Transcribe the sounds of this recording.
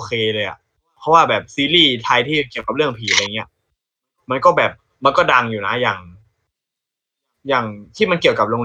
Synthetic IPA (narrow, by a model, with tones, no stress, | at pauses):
o˧kʰeː˧lɤː˧jʔa̰˨˩ʔ | pʰɔ˦˥waː˥˩bɛː˨˩p̚siː˧liː˥˩t̪ʰaː˧jt̪ʰiː˥˩ki˨˩əwka˨˩lɯ˥˩əŋpʰiː˨˩˦a˧a˧ja˨˩ŋːi˦˥ɐ˩ | ma˧nkɔː˥˩bɛː˨˩p̚ | ma˧nkɔː˥˩da˧ŋjuː˨˩na˦˥jaː˨˩ŋ | jaː˨˩ŋt̪ʰiː˥˩ma˧nki˨˩əwka˨˩p̚loː˧ŋn